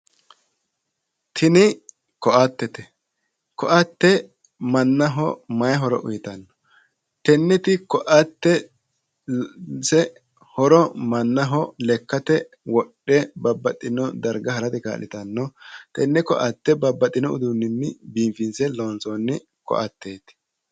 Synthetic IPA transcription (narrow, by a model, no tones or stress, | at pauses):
t̪ʰɪnɪ | kɔʔat̪ːɛt̪ɛ | kɔʔɐt̪ːɛ | mɐnːɐɦɔ̰mɐjɦɔɾɔʔʊ̰jɪt̪ɐnːɔ̥ | t̪ɛnːɛt̪ɪkɔʔaɐt̪ːɛ | sɛ | hɔɾɔmɐnːɐɦɔlɛkːɐt̪ɛ | wɔɗːɛbɐbːɐt̪ʼːɪnɔd̪ɐɾɡɐhɐɾɐt̪ɪka̰ːlɪt̪ɐnːɔt̪ɛnːɛkɔ̰ʔɐt̪ːɛbɐbːɐt̪ʼːɪnɔʊ̰d̪unːɪnːɪ̰biːmfɪnsɛloːnsonːɪ | kɔ̰ʔɐ̰t̪ːeːt̪ɛ̥